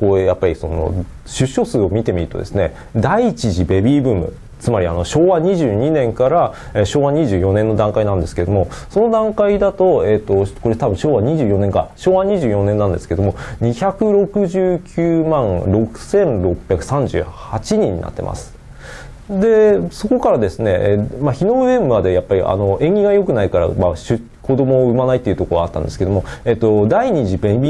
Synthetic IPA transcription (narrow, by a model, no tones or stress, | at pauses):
kojapːaɾʲiso̞̰no̰ | ɕɨɕːo̞sɨːo̞mʲit̪e̞mʲiɾɯ̟t̪o̞d̪e̞sɨne̞̰ | d̪ait͡ɕiʑibe̞bʲiːbɯ̟ːmɯ̰ | t͡sɨmaɾʲia̰no̞ɕo̞ːβaɲiʑɨːɲ̟inẽ̞ŋkaɾa | eɕo̞ːβaɲ̟iʑɨːjo̞nẽ̞nːo̞d̪ãŋkainãnd̪esɨ̥ke̞d̪omo̞so̞no̞d̪ãŋkaid̪at̪o̞et̪ːo̞ko̞ɾe̞t̪abɯ̟̃ɕo̞ːβaɲ̟iʑɨ̟ːjo̞nẽ̞ŋkaɕo̞ːβaɲ̟iʑɨːjõ̞nẽnːãnd̪esɨ̥ke̞d̪o̞mo̞ɲiçakɯ̟ɾo̞kɯ̟ʑɨːkʲʰɨːmãɴɾo̞kɯ̟̥sẽ̞nɾo̞pʲjakɯ̟̥sãɲ̟d͡ʑɨ̰ːhat͡ɕiɲ̟ĩɲ̟ːḭna̰t̪ːe̞̰ma̰sɨ̥ | d̪e̞so̞ko̞kaɾad̪e̞sɨne̞maçino̞bɯemɯ̟βad̪ejapːaɾʲḭʔa̰no̞ẽ̞ŋɡʲiɡajo̞kɯ̟naikaɾa̰maɕɨ | kʰo̞d̪o̞moːɯ̟manait̪ːe̞iɯ̟t̪o̞koat̪ːã̰nd̪eske̞d̪omo̞et̪ːo̞d̪aiɲ̟iʑibẽbʲi